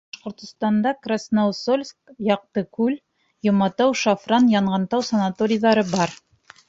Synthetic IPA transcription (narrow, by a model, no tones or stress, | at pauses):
bʃqŏɾt̪ŏst̪ɑnd̪ɑkrasnowsolʲskjɑq̚t̪ɤkʉl | jŏmɑt̪ɑwʃafrɑnjɑɴʁɑnt̪ɑwsɐnat̪oɾʲɪjðɑɾɤbɑɾ